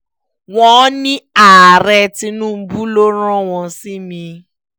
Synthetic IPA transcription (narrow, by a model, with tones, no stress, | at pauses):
w̃ɔ̃˧˦nĩ˦a˨ɾɛ˧ti˧nũ˦m̩˦bu˦lo˦ɾ̃ã˦w̃ɔ̃˧si˦mĩ˧